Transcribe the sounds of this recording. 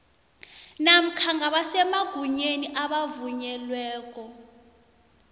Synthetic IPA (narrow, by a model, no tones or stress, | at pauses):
nam̩kʰaŋɡaɓasɛmaɡ̥ʱuɲeniʔaɓavuɲɛlwɛːk̬ʼɔ